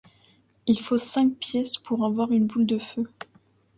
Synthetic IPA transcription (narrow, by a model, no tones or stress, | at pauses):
ilfosɛ̃k̚pjɛspʰuʁavwaʁynbuld̪əfø